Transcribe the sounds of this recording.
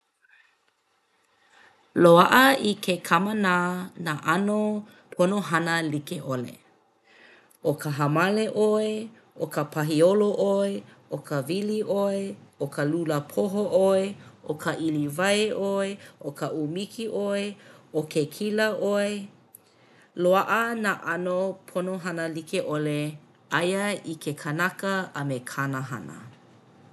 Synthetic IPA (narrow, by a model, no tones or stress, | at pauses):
loaʔəikʰekʰamənaːnaʔano | pʰonoɦɐnəlikeʔolḛ | ʔokəɦɐmaleʔoe | ʔokəpʰaɦioloʔoeʔokəviliʔoeokəluləpʰoɦoʔoeʔokʰəʔilivaeʔoeʔokʰəʔumikʰiʔoeokʰekʰilɐʔoe | loaʔənaʔanopʰonoɦanəlikeʔole | ajəikʰekʰɐnakəɐmekʰanəɦa̰nə̰